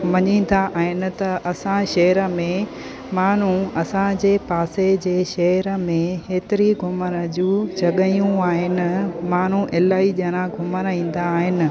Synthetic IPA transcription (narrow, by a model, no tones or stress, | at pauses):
ʋɐɲĩːnd̪aʔaːɦɪnɪ̆t̪ɐʔɐsãʃɐɦəɾə̆mẽ | maːn̤ũɐsãd͡ʑeːpaːsed͡ʑeːʃɐɦəɾə̆mẽɦeːt̪ɪɾiɡʱʊmənə̆d͡ʑũːd͡ʑɐɠəjũaːɦɪnɪ̆maːn̤uʔɪlaːiʄɐñãɡʱʊmənĩːn̆d̪aːɦɪnɪ̆